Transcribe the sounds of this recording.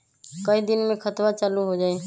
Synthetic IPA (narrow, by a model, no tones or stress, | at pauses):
kəid̪inmẽkʰət̪wat͡ʃaːluɦod͡ʒaːe